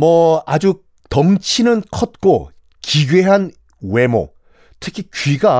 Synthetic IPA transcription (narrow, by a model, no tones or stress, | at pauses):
mʌad͡ʑu | tʌŋt͡ɕʰinɯnkʰʌt̚k͈o | kiɡɥeɦan | we̞mo̰ | tʰɯkʰikɥiɡa